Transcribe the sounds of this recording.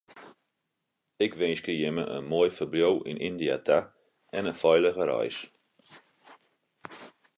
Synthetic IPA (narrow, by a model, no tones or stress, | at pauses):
ɪkʋenskəjɪməʔə̰nmojfərbljowʔɪ̰nʔindia̰tʰa | ɛnəfɔjləɣəɾa̰js